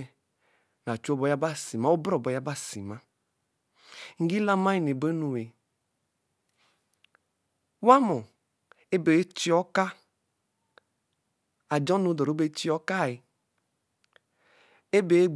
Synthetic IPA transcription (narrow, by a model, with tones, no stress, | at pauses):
na˨t͡ʃu˦ɔ˦bɔ˨˦ja˦ba˦si˨ma˨˦o˦bɾɔ˦˨bɔ˨ja˦ba˦˨si˨ma˦ | ŋ̩˨ɡi˦la˦ma˦i˨ne˨be˦nu˨we˨ | wa˦mɔ˨ | e˦be˨˦t͡ʃi˦ɔ˦ka˦ | a˨d͡ʒɔ˦nu˨˦dɔ˨ɾo˦be˦t͡ʃi˦ɔ˦ka˦˨i˨ | e˦be˨˦ɡ͡b